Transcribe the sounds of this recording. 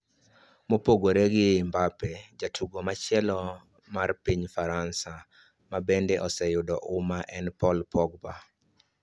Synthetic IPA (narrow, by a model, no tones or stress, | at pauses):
mopoɡoɾeɡɪmbapɛd͡ʒatʰuɡomat͡ʃɪɛlɔ | marpiɲfaɾansa | mabendeʔɔsɛjʊdɔʔʊmaʔɛnpɔlpʰɔɡba